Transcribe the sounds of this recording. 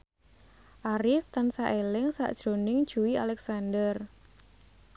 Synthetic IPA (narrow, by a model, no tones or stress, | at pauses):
ʔaɾɪft̪ansaʔelɪŋsa̰ʔd̥ʒ̥ɾo̤nɪŋd̥ʒ̥uwialɛksandər